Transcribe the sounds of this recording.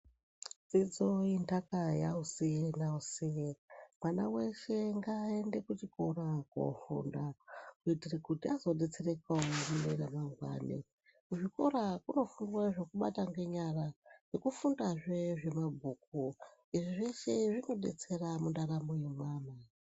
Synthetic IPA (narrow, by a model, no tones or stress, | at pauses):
d͡zid͡zo̞intakajausienausijemwana̰we̞ʃe̞ŋɡae̞nde̞kutikorako̰fṵndakuitirekutiazo̞ɗe̞t͡serekaomunḛɾamaŋwa̰ːnḛ | kuʐiko̞ɾakuno̞fundwaʐokuɓa̰taŋɡe̞ɲarajekufundaʐeʐe̞mabʱuːk̚uiʐiʐeʃe̞ʐino̞ɗe̞̰t͡se̞ramundaɾamoje̞mwaːna